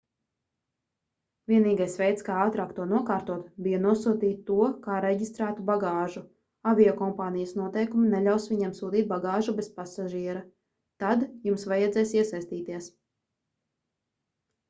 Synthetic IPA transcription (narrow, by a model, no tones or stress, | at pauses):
vʲiɛniːɡajsʋɛjt̪skaːɑːt̪ɾaːkt̪ːuɔnuɔkaːɾt̪uɔt̪bijanuɔsuːt̪iːt̪ːuɔkaːɾɛɟʲist̪ɾaːt̪ubaɡaːʒu | aviɔkɔmpaːnijɐsnuɔt̪ɛjkuminɛʎʲawsʋʲiɲemsuːt̪iːt̪̚baɡaːʒubespasaʒiːɛɾɐ | t̪ad̪jumsvajɛd̪zɛjsiɛsajst̪iːt̪iɛs